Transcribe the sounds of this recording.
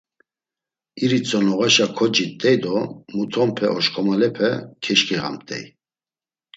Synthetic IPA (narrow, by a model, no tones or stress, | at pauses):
iɾit͡sʰʼɔnɔɣaʃakʰɔd͡ʒit̪ʼːɛjd̪ɔmut̪ʰɔmpʰɛʔɔʃkʰɔmalɛpʰɛkʰɛʃkʼiʁa̰mt̪ʼɛ̰j